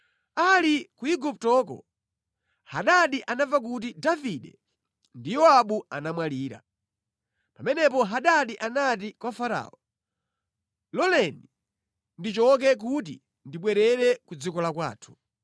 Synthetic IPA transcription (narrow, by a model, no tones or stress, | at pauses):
alikuiɡup̚tɔkɔ̰ | haɗaɗiʔanavak̬ut̬idaviɗɛ | ndijɔaɓua̰namwaliːɾa̰ | pamɛnɛpɔɦaɗaɗiʔanat̬ikwafaɾa̰ːɔ | lɔlɛni | ndit͡ʃɔk̬ɛk̬ut̬i | ndiɓwɛɾɛɾɛkud͡zikɔlakwa̰ːtʰu̥